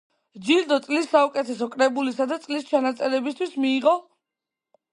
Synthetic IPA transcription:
d͡ʒild̪ɔt̪sʼlisːaukʼɛt̪ʰɛsɔkʼɾɛbulisad̪at̪sʼlist͡ʃʰanat̪sʼɛɾɛbist̪ʰwismiːʁɔ

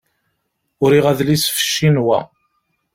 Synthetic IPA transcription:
ʊɾiʁæðlisfə̥ʃːinwæ̰

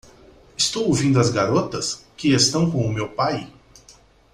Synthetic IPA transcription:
ɪst̪owowvĩnd̪ʊɐzɡaɾot̪ɐskɪest̪ɐ̃w̃kõʊmewpaj

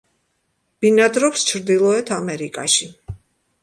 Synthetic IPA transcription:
b̥inad̪ɾɔpst͡ʃʰɾd̪ilˠɔɛt̪ʰamɛɾikʼa̰ʃi

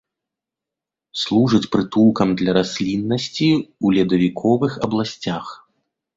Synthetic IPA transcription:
slˠuʐɨt͡sʲpɾɨt̪ulˠkɐmd̪lʲɐɾasʲlʲinːɐsʲt͡sʲiulʲɛd̪ɐvʲikʰɔvɨxɐblˠasʲt͡sʲax

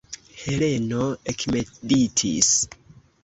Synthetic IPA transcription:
he̞le̞no̞ekmeditʰḭs

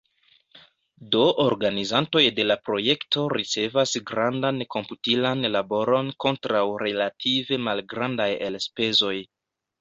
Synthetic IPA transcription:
doʔoɾɡanizanto̞jde̞lapɾo̞je̞kto̞ɾit͡se̞vasɡɾandanko̞mputilanlabo̞ɾo̞nko̞ntɾawɾe̞latʰive̞malɡɾandaje̞lspe̞zo̞j

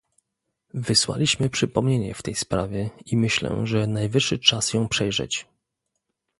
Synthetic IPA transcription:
vɘswa̰lʲiɕmɘpʂɘpɔmɲeɲɛ̰ft̪ɛjspɾavʲjɛimɘɕlɛ̰ʐɛnajvɘʂːɘt͡ʂasjɔ̃w̃pʂɛjʐɛ̰t͡ɕ

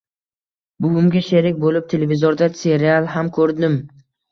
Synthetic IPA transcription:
bʊɡʲʊmɡʲaʃeɾɪkʲbolɪp̚t̪ʰe̞levɪzoɾd̪ase̞ɾialˠɦamkʰɵɾd̪ɪm

